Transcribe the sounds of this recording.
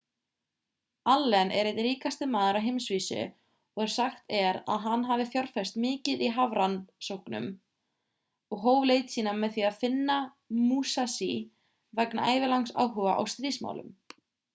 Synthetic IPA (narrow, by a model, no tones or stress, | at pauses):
alːɛnʔɛ̰ɾejt̪ɾiːkast̪ɪmaːðʏɾawɦejmsviːsʏ̰ | ɔɣɛɾ̥saxt̪ɛɾa̰ðɦanːɦaːvɪθjɔɾ̥fɛst̪mɪːcɪðiɦavɾansowhknʏ̰m | ɔɣɦoːwvlejt̪siːnamɛðθiaðfɪnːa | muːsasi | vɛkna̰ʔaːjvɪlawŋsa̰wɦœɣa̰ʔa̰wst̪ɾiːsma̰wlʏ̰m